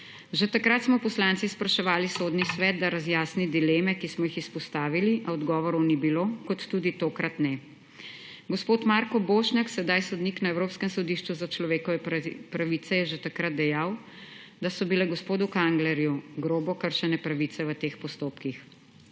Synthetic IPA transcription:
ʒet̪akɾat̪smɔpɔslant̪sispɾaʃɛʋaːlisoːd̪nisʋɛːt̪̚d̪aɾazjaːsnid̪ileːmɛkismɔjixispɔst̪aːʋiliʔaɔd̪ɡɔːʋɔɾɔnibilokɔt̪ːuːd̪it̪oːkɾat̪nɛ | ɡɔspoːt̪maɾkɔboːʃnʲjaksɛd̪ajsɔd̪niknaɛwɾoːpskɛmsɔd̪iːʃt͡ʃuzat͡ʃlɔʋeːkɔʋɛpɾaʋiːt̪sɛjɛʒet̪akɾat̪̚d̪ɛjaːw | d̪asɔbilɛɡɔspoːd̪ukaŋɡlɛɾjuɡɾoːbɔkəɾʃɛnɛpɾaʋiːt̪sɛʋət̪eːxpɔst̪oːpkix

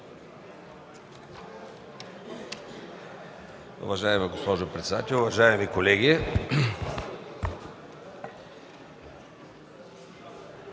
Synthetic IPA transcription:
ʊ̰vɐʒaɛmɛɡospɔʒopɾɛt̪sd̪a̰t̪ɛlʲʊvɐʒaɛmikolɛɡʲi

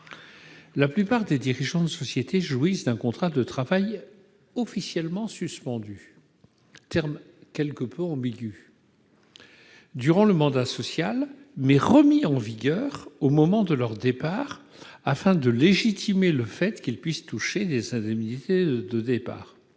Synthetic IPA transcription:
laplypaʁd̪ed̪iʁiʒɑ̃d̪əsɔsjet̪ʰeʒwisd̪ɛ̃kɔ̃t̪χad̪ət̪χavaj | ɔfisjɛlmɑ̃syspɑ̃d̪y | t̪ɛʁm | kʲɛlkəpʰøɑ̃biɡʲy | d̪yʁɑ̃ləmɑ̃d̪asɔsjal | mɛʁəmiɑ̃viɡʲœʁomɔmɑ̃d̪əlœʁd̪epaːʁ | afɛ̃d̪əleʒit̪ʰimeləfɛt̪kʲilpɥist̪uʃed̪ezɛ̃d̪ɛmnit̪ed̪əd̪epa̰ːʁ

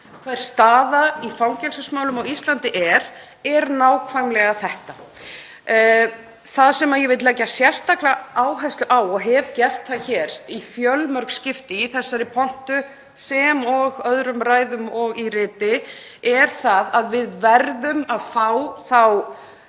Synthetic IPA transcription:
kʰvaɾ̥st̪aːðaifawŋcɛlsʏsmaːwlʏmawist̪lant̪ɪʔɛɾ̥ | ɛɾnaːwkʰvaŋlɛɣaθɛht̪a | θaðsɛmːajɛvɪt̪lɛːcasjɛr̥st̪aklaaːwɦajst̪ʏʔawɔɣɦɛvcɛr̥t̪θaðçɛːɾifjœlmœɾkscɪft̪ɪiθɛsːaɾɪpʰɔn̥t̪ʏ | sɛmɔɣœðɾʏmɾaːjðʏmɔɣirɪːt̪ɪ | ɛɾ̥θaðaðvɪðvɛɾðʏmaðfawθaw

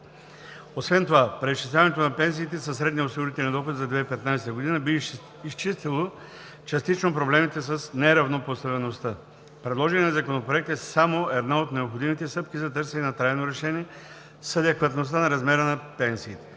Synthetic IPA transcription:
osvɛnt̪ovapɾɛisʃt͡ʃislʲavɐnɛt̪onɐpɛns̬iːt̪ɛsɐsɾɛd̪niosiɡoɾit̪ɛlʲnid̪ɔxod̪zɐd̪vɛipɛt̪najsɛ̥t̪əɡod̪inəbi | ist͡ʃist̪ɛlˠo | t͡ʃɐst̪it͡ʃnopɾoblɛmit̪ɛs̬ɐsnɛɾɐvnopost̪ɐvɛnost̪ə | pɾɛd̪lˠɔʒɛnɛnɐzɐkonopɾoɛk̚t̪ɛsamoɛd̪naot̪nɛopxod̪imit̪ɛst̪ɤpkizɐt̪ɤɾsɛnɛnɐt̪ɾajnoɾɛʃɛniɛ | səd̪ɛkvət̪nost̪anɐɾɐzmɛɾənɐpɛnsiːt̪ɛ̥

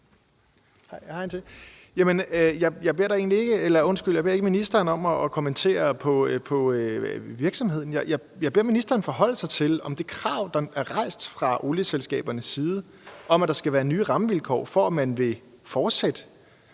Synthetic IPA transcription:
hɑɪjhɑ̈ent͡sʰe̝ | jæmənjɑ̈ɪjɑ̈ɪb̥e̝ɐ̥ɑ̈e̝̰ːnlie̝ɡ̥əelɐɔ̽nsɡ̥yl̰jbe̝ɐe̝ɡəminisd̥ɐːnɒ̽m̰ɒ̽ːkʰomənt͡sʰe̝̰ːɐpʰɒ̽pʰɒ̽ʋiɐɡ̥sɒ̽mhe̝ð̞̰ˠn̩jɑjɑ | jɑ̈ɪbe̝ɐ̰minisd̥ɐːnfɒ̽ɦɒ̽l̰sɑ̈ɪt͡sʰe̝lɒ̽md̥e̝kʰʁɑ̈ʊ̰d̥ɑ̈æɐʁɑ̈ɪ̰sd̥fʁɑ̈ʔo̝ːljəselsɡ̥ɛ̰ːb̥ɐnəsːiːð̞ˠə | ʔɒ̽mæd̥ɑ̈sɡ̥æʋæːɐnyːʁɑ̈məʋilkʰɒ̰ːfɒæmænʋe̝ | fɒːd̥sed̥ə

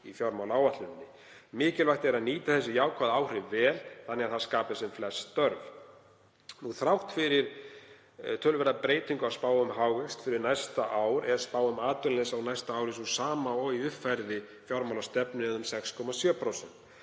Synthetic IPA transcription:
ifjaɾmawlaaːwat̪lʏnnːɪ | mɪːcɪlvajht̪ɛɾaðniːt̪aθɛsːɪjaːwkʰvaðaːwrɪvɛːlθanːɛɣaθaskaːpɪsɛmflɛst̪œɾv | nuɣθɾawht̪fɪɾɪɾ̥ | t̪ʰœːlʏvɛɾðapɾeːjt̪iŋkʏaspaːwʏmɦawɣɛst̪fɪɾɪɾnajst̪aʔaːwɾɛðspaːwʏmaːt̪ʏllɛsawnajst̪aaːwɾɪsusaːmaɔiʏhfːajɾðɪ | fjawɾmawlast̪ɛpnɪɛðʏmsɛkskʰɔmasjœːpʰɾowsɛnt̪

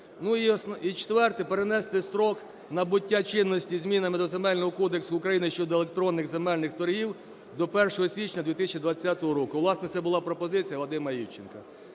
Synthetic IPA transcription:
nuiɔsit͡ʃt̪ʋɛrt̪ɪpeɾenɛst̪ˠɪst̪ɾɔk | nɐbʊtʲːat͡ʃɪnːɔsʲtʲizʲmʲinɐmɪd̪ɔzemɛlʲnɔɦɔkɔd̪eksʊːkɾɐjinɪʃt͡ʃɔd̪ɔelˠek̚t̪ɾɔnːɪɣzemɛlʲnɪxt̪ɔɾʲɦiw | d̪ɔpɛrʃɔɦɔsʲʋʲit͡ʃnʲɐd̪ʋʲit̪ɪsʲt͡ʃid̪ʋɐt͡sʲːat̪ɔɦɔɾɔkʊʋlˠɑsnɛt̪sɛbʊlˠɑpɾɔpɔzɪt͡sʲijɐlˠɐd̪ɪmɐjiwt͡ʃenkɐ

